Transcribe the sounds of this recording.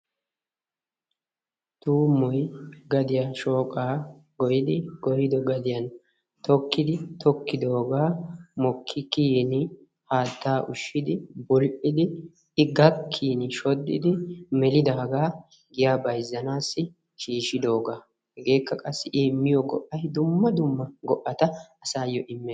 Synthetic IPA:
t̪uːmːɔjɡɐd̪ɪjaːʃo̞ːkʼaː | ɡɔjɪd̪ɪɡɔɾɪd̪ɔɡɐd̪ɪjɐn | t̪ɔkːɪd̪ɪt̪ʰɔkːɪd̪o̞ːɡaːmɔkʰːɪkiːnɪ | haːt̪ːaːʔʊʃːɪd̪ɪbɔlʔʼɪd̪ɪ | ɪɡɐkʰːiːnɪʃɔd̪ːɪd̪ɪmɛlɪd̪aːɡaː | ɡɪjaːbɐjzːɐnaːsːɪ | ʃiːʃɪd̪o̞ːɡaː | hɛɡe̞ːkːɐkʼɐsːɪʔɪːmːɪjɔɡɔ̰ʔːɐjd̪ʊmːɐd̪ʊmːɐɡɔʔːɐt̪ɐɐsaːjːɔʔɪmːɛː

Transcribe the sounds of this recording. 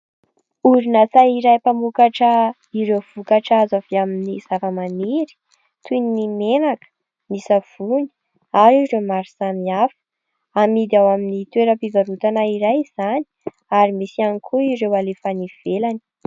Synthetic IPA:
uɾinat͡saiɾajpamukaʈ͡ʂə | iɾewv̥ukaʈ͡ʂazaviaminiz̥avəmaniɾi̥ | t̪uninimenakə̥ | misav̥uni̥ | aɾiɾemaɾisamiafə̥ | amid̪iawaminit̪weɾəpivaɾut̪anaiɾajz̥ani̥ | aɾimisianikʰuiɾewalefaniv̥elani̥

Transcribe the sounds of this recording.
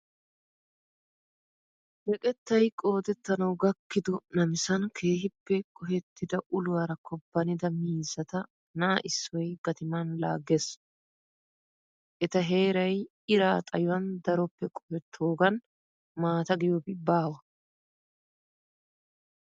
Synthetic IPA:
hɛkʼɛt̪ːɐjkʼo̞ːt̪ɛt̪ːɐnɐwɡɐkːɪd̪ɔnɐmɪsɐnkʰe̞ːhɪpːɛkʼɔhɛt̪ːɪd̪ɐʔʊlʊwɐɾɐkʰɔbːɐnɪd̪ɐmiːzːɐt̪ɐ | nɐːʔɪsːɔjɡ̥ɐt̪ɪmanla̰ːɡes | ʔɛt̪ɐɦe̞ːɾɐj | ɪɾaːt̪ʼɐjʊwɐnd̪ɐɾɔpːɛkʼɔhɛt̪ʰːoːɡɐn | maːt̪ɐɡɪjobɪbaːwɐ

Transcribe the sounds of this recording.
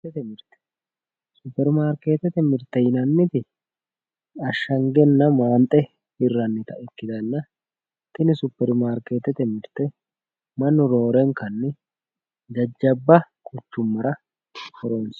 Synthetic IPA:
ɛt̪ɛmɪɾt̪ɛ̥ | sʊpːɛɾmaːɾkeːt̪ɛt̪ɛmɪɾt̪ɛjɪnɐnːɪt̪ɪ | ɐʃːɐŋɡɛnːɐmaːnt̪ʼɛ | ɪrːɐnːɪt̪ɐʔɛkːɪd̪ɐnːɐ | t̪ɪnɪsʊpːɛɾmaːɾkeːt̪ːɛt̪ɛmɪɾt̪ɛ | mɐnːɔɾo̞ːɾɛŋkɐnːɪ | d͡ʒɐd͡ʒːɐbːɐ | kʰʊt͡ʃːʊmːɐɾɐ | fɔɾons

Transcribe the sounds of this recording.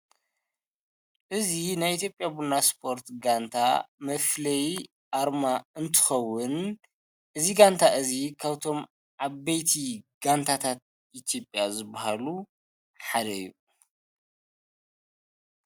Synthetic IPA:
ʔɨzinajʔit̪jopʼjabunaspʰo̞ɾt̪ɡant̪ʰa̰mɐflɐj | ʔaɾmaɨnt̪ʰɨ̥xɐwːʊn | ʔɨziɡant̪ʰaʔɨzikʰaβt̪ʰo̞m | ʕaβejt̪ʰiɡ̥ant̪ʰat̪ʰat̪̚ | ʔit̪ʰjo̞pʼjazɨbːaɦalu | ħad̪ɐjːṵ

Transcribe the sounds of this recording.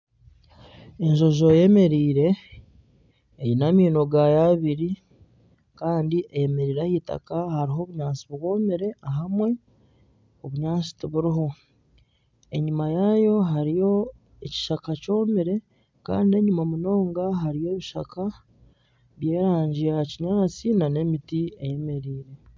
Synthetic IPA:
e̞ɲʒo̞ʒo̞je̞me̞ɾiːɾe̞ | jinamiːno̞ɡajaβiɾi | kaːndiʔeje̞me̞ɾiːɾahita̰kahaɾiɦo̞ːβuɲaːt͡siβɡo̞ːmiɾe̞aɦamwe̞ | oβuɲaːt͡si̥tiβuɾiɦo̞ | e̞ɲumajajo̞ɦaɾijo̞ | eci̥ʃakaco̞ːmiɾe̞ | ka̰ːndie̞ɲumamuno̞ːŋɡaɦaɾije̞ːβiʃa̰kʰa | βje̞ːɾaːɲɟijaciɲaːt͡sinane̞mitieje̞me̞ɾiːɾe̞

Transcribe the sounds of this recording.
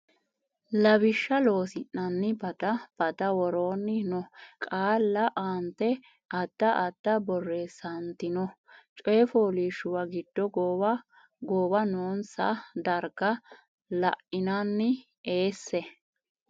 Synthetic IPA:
lɐbɪʃːɐlo̞ːsɪnːɐnːɪbɐd̪ɐb̥ɐd̪ɐwɔɾoːnːɪnɔkʼaːlːɐʔaːnt̪ɛ | ʔɐd̪̥ːɐʔɐd̪̥ːɐbɔrːesɐnt̪ɪnɔt͡ʃʼɔjfoːliːʃːʊwɐɡɪd̪̥ːɔɡ | ɡoːbɐnoːnsɐd̪ɐɾɡɐ | lɐ̰ʔɪnɐnːɪ | e̞ːsːɛ

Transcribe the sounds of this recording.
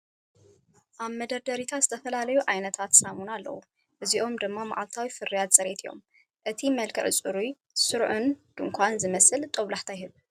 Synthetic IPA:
ʔaβmɐd̪ɐɾd̪ɐɾit̪ʰazɨt̪ʰɐfɐlalɐjuʕajnɐt̪ʰat̪samunalːɐ̰wu | ʔɨziʔo̞md̪ɨmːama̰ʕalt̪ʰawifɨrːijat̪sʼɐɾet̪ʰijo̞̰m | ʔɨt̪ʰimɐlkʰɨʕɨt͡sʼɨɾu | sɨɾʕund̪̥ɨŋkʷʰanzɨmɐsɨlt̪ʼoβlaħt̪ʰajɦɨβ

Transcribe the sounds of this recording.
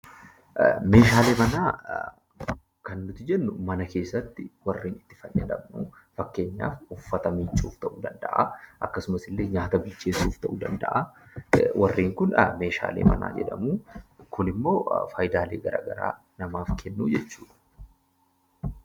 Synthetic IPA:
me̞ːʃaːleːmɐnaː | kɐnːʊt̪ɪd͡ʒɛnːʊmɐnɐke̞ːsːɐt̪ːɪwɐrːeːnɪt̪ːɪ̥fɐnːed̪ɐ̰bnuː | fɐkːe̞ːɲːa̰ːfʊfːɐt̪ɐmit͡ʃʼːuːft̪ɐʔuːd̪ɐnd̪ɐ̰ʔa̰ʔɐkːɐsʊmɐsɪlːe̞ːɲaːt̪ɐbɪlt͡ʃːe̞ːsuːft̪ɐʔuːd̪ɐnd̪ɐ̰ʔa | wʔɐrːeːŋkʊnɐme̞ːʃa̰ːlḛːmɐ̰na̰ːd͡ʒɛ̰ᶑɐ̰muːkʰʊnɪmːo̞̰ːfaːjd̪aːleːɡɐɾa̰ːɡɐɾa̰ː | nɐmaːfkʰɛnːuːd͡ʒɛt͡ʃːuːᶑɐ̥

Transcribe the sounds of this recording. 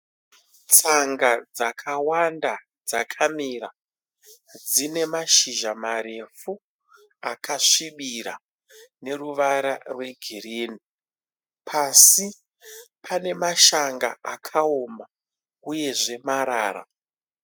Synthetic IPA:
t͡saŋɡad͡zakʰawanda | d͡zakʰamira | d͡zine̞maʃiʒamaɾe̞fu | akaʂiɓiɾa̰ | ne̞ruʋaɾarwe̞ɡʱirini | pʰasi | pʰane̞maʃaŋɡa̰akʰao̞ma | uje̞ʐe̞maɾaːra̰

